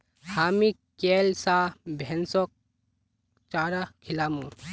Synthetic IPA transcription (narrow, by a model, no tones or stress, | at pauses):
haːmi | kelsabʱɛnsɔk̚ | t͡ʃaːɾakʰilaːmũ